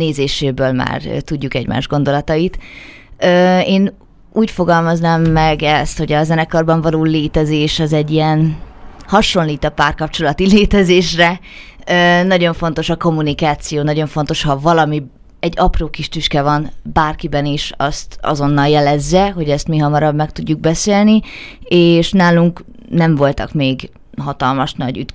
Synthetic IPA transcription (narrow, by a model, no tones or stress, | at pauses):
neːzeːʃeːbøːlma̰ːr̰t̪uɟːukɛɟmʔa̰ːʒɡo̞nd̪o̞lɒt̪ɒit̪ | øːeːn | uːcfo̞ɡɒlmɒznamːɛɡɛst̪ho̞ɟɒzɛnɛkɒrbɒɱvɒloːleːt̪ɛzeːʃɛzɛɟːijɛnhɒʃo̞nliːt̪ɒpaːrkɒpt͡ʃo̞lɒt̪ileːt̪ɛzeːʃrɛ | øːnɒɟo̞ɱfo̞n̪t̪o̞ʃɒko̞mːunikaːt̪sijoːnɒɟo̞ɱfo̞nt̪o̞ʃhɒvɒlɒmi | ɛɟːɒproːkiʃt̪yʃkɛvɒnbaːrkibɛniʃɒ̰st̪ɒ̰zo̞nːɒljɛlɛzːɛɦo̞ɟɛst̪miɦɒmɒɾɒbmɛkt̪uɟːuɡ̚bɛseːlnieːʃnaːluŋk | nɛɱvo̞lt̪ɒ̰kmeːɡ | ɦɒt̪ɒlmɒʃnɒ̰ɟy̰t̪